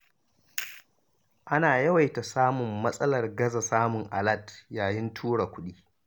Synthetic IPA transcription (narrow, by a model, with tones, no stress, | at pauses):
ʔa˦naː˨jɐ˦wa˨jta˨saː˦mʊ˨mːɐ˦sʼɐ˦lɐ˨rɡɐ˦za˨saː˦mʊ˨ŋʔa̰˨lɐ˦˨djaː˨jɪ˦ntʰuː˦ɽa˨kʷʊ˦ɗiː˦